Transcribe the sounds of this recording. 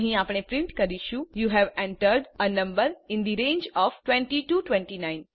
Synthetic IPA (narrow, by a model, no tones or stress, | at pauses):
ɦĩaːpɽ̃epɾɪ̃ɳʈkɐɾiʃũjuːɦɛʋɛ̃ɳʈəɾɖənɐ̃mbəɾɪ̃nd̪iɾẽːnd͡ʒɔːfʈwɛ̃ɳʈiʈuʈʋɛ̃ɳʈinãɪ̃n